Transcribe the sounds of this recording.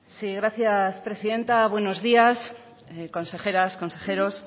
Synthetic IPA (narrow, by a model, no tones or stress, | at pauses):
siɣɾaθjaspɾe̞siðe̞nt̪aβ̞we̞no̞zðias | ko̞nse̞χe̞ɾasko̞nse̞xeɾos